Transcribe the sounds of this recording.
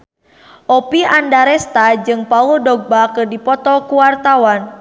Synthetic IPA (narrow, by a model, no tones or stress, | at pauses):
ʔɔpiandaɾɛst̪ad͡ʒɨŋpaudɔɡ̚bakɨrdipɔt̪ɔkuwart̪awan